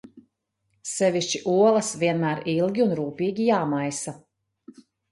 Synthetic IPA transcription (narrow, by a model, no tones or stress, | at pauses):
sɛviʃt͡ʃiʔuɔlˠɐsviɛnmæːɾilˠɡʲiunɾuːpiːɡʲijaːmajsa